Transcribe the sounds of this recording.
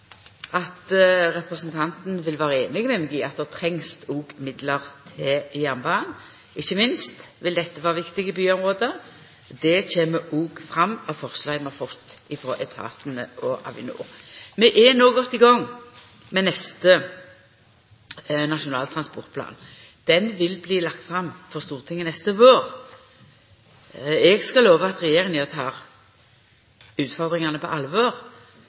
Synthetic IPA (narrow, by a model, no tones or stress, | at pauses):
ʔɑt̪ɾɛpʁəsnt̪ʰɑnt̪n̩ʋɪlʋɑːʁəeːnɪɡəmɛmɛɡiːɑt̪̚d̪ɛʁt̪ʰɾɛŋst̪uːɡ̥mɪd̪ləʁt̪ʰɪjæmbɑːn | ɪçːəmɪnst̪ʋɪld̪ɛt̪ːəʋɑːʁʋɪkt̪ɪɡəbyːɔmʁoːd̪ə | d̪ɛt͡ɕeːməʔuːɡfʁɑmːɔfɔʁslɑɪmɛfɔt̪ːɪfɾo̰ːʔɛt̪ʰɑ̰ːt̪ənəʔɔʔɑ̰ʋɪ̰nṵːʁmɛʔɛnoːɡɔt̪ːɪɡɔŋː | mɛnɛst̪ə | nɑʂʊnɑ̰ːlt̪ʰɾɑnspɔʁt̪̚pʰlɑ̰ːn | d̪̥ɛnʋɪlbliːlɑkt̪fɾɑmːfɔʁst̪uːʁt̪ʰɪŋːənɛst̪əʋoːʁ | ɛɡskɑloːʋəɑt̪ʁɛjeːʁɪŋəɔt̪ʰɑːɾ | ʉːt̪fɔʁd̪ʁɪŋɑnəpʰɔ̰ʔɑlʋoːʁ